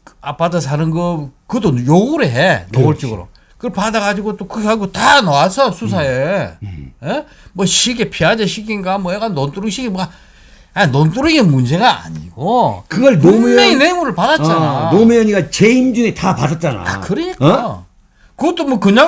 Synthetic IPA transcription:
ap͈adasʰanɯnɡʌkɯdojoɡuɾɯɦenoɡoɭt͡ɕ͈iɡɯɾo̰ | kɯpadaɡad͡ʑiɡot͈okɯɡeaɡiotanʌwasʰʌsʰusʰae | e | mwʌɕʰiɡepʰiad͡ʑeɕ̬ʰiɡinɡamwʌeɡanont͈uɾɯɕʰiɡima | anont͈uɾɯɡinmund͡ʑe̞ɡaa̰ɲḭɡokɯɡʌɭnomujeinemuɾɯɭpadatt͡ɕananomujʌɲiɡat͡ɕeimd͡ʑunetapadat̚t͡ɕ͈ana̰kɯɾɯɲik͈a | kɯɡʌt̪͈omwʌkɯɲa

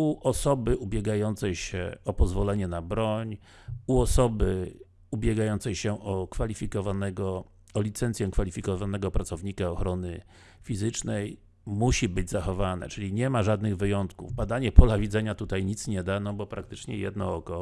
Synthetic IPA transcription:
uʔɔsɔbɘʔubʲjɛɡajɔnt̪sɛjɕɛ̰ɔpɔzvɔlɛɲɛnabɾɔɲ | uɔsɔbɘ | ubʲjɛɡajɔnt̪sɛjɕɛʔɔkfalʲifʲikɔvanɛɡɔ | ɔlʲit̪sɛntsʲjɛkfalʲifʲikɔvanɛɡɔpɾatsɔvɲikaɔxɾɔnɘ | fʲizɘt͡ʂnɛj | muɕibɘd͡ʑzaxɔvanɛ̰t͡ʂɘlʲiɲɛmaʐad̪nɘɣvɘjɔnt̪kuvbad̪aɲɛpɔlavʲidzɛɲat̪ut̪ajɲit̪sɲɛd̪anɔbɔpɾak̚t̪ɘt͡ʂɲɛjɛ̰d̪nɔɔkɔ

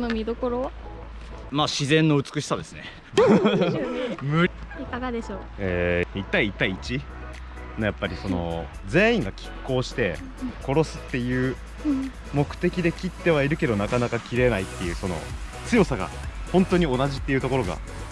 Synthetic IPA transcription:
nomʲid̪o̞ko̞ɾo | maːɕizẽ̞nːo̞ɯ̟t͡sɨ̥kɯ̟ɕi̥sad̪e̞sɨne̞ | mɯ̟ikaɡad̪e̞ɕoːeːit̪ːaiːt̪ːaiːt͡ɕi | no̞japːaɾʲiso̞no̞̰ | d͡ze̞ːĩŋɡakʲʰi̥kːo̞ːɕi̥t̪e̞ | ko̞ɾo̞sɨ̥t̪ːe̞jɯ̟ː | mo̞kɯ̟̥t̪e̞kʲid̪e̞kʲit̪ːe̞β̞aiɾɯ̟ke̞d̪o̞nakanakakʲiɾe̞nait̪ːe̞jɯ̟ːso̞no̞̰t͡sɨjo̞saɡa̰hõ̞nt̪o̞ɲ̟io̞naʑit̪ːeiɯ̟t̪o̞ko̞ɾo̞ɡa̰

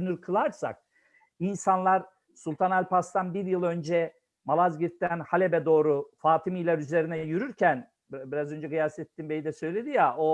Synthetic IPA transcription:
nyɾkʰɯlˠaɾsa̰k̚ | insanlˠaɾ | sulʲˠt̪ʰanalʲpast̪anbiɾjɯlˠø̞nd͡ʒɛ | malˠazɟiɾt̪ːænhalʲebɛd̪o̞ːɾufaːt̪ʰimijlʲaɾyze̞ɾinɛjyɾyɾcʰæn | biɾazø̞nd͡ʒɛɡɯjasɛt̪ːimbejid̪ɛsø̞jlʲe̞d̪ijaʔo

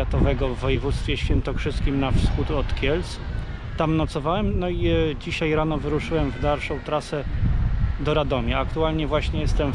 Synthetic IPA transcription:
at̪ɔvɛɡɔvːɔjɛvut̪st̪fʲjɛɕfʲjɛnt̪ɔkʂɘst̪kʲimnafsxut̪ɔt̪kʲjɛls | t̪amnɔt̪sɔvawɛmnɔid͡ʑiɕajɾanɔvɘɾuʂɘwɛmvd̪alʂɔ̃w̃t̪ɾasɛ | d̪ɔɾad̪ɔmʲiakt̪ualɲɛvwaɕɲɛjɛst̪ɛm

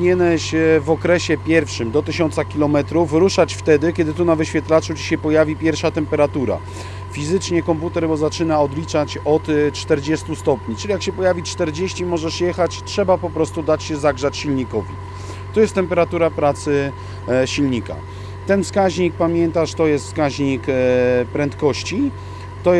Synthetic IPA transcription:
ɲɛnɛɕɛvɔkɾɛɕɛpʲjɛɾfʂɘmd̪ɔt̪ɘɕɔnt̪sakʲilɔmɛt̪ɾufɾuʂat͡ɕft̪ɛd̪ɘkʲɛd̪ɘt̪unavɘɕfʲɛt̪lat͡ʂut͡ɕi̥ɕɛpɔjavʲipʲjɛɾfʂat̪ɛmpɛɾat̪uɾa̰ | fʲizɘt͡ʂɲɛkɔmput̪ɛɾbɔzat͡ʂɘnaɔd̪lʲit͡ʂat͡ɕɔt̪t͡ʂt̪ɛɾd͡ʑɛst̪ust̪ɔpɲit͡ʂɘlʲijakɕɛpɔjavʲit͡ʂt̪ɛɾd͡ʑeɕt͡ɕimɔʐɛʂjɛxat͡ɕtʂɛbapɔpɾɔst̪ud̪at͡ɕɕɛzaɡʐat͡ɕɕilɲikɔvʲḭ | t̪ɔjɛst̪ːɛmpɛɾat̪uɾapɾat̪sɘ | ɕilɲika̰ | t̪ɛnfskaʑɲik̚pamʲjɛnt̪aʂt̪ɔjɛst̪fskaʑɲikpɾɛnt̪kɔɕt͡ɕi | t̪ɔ

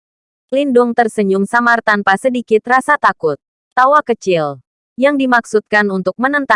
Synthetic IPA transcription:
lindʊŋt̪ərsəɲʊŋsamart̪anpasədikɪt̪rasat̪akʊt̪̚ː | awakət͡ʃɪl | jaŋdimaksut̪̚kanunt̪ʊk̚mənənt̪a

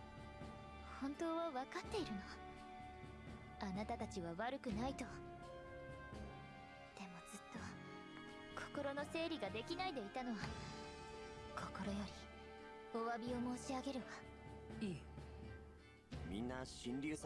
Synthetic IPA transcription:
hõ̞nt̪o̞ːβaβakat̪ːe̞iɾɯ̟no̞βa | anat̪at̪at͡ɕiβaβaɾɯ̟kɯ̟nait̪o̞ | d̪̥e̞mo̞z̥ɨt̪ːo̞ | kʰo̞̥ko̞ɾo̞no̞se̞ːɾʲiɡad̪e̞kʲinaid̪e̞it̪ano̞βa | kʰoko̞ɾo̞jo̞ɾʲi | o̞βabʲio̞mo̞ːɕiaɡe̞ɾɯɡa | iː | mʲḭ̃nːaɕĩnɾʲɨːs

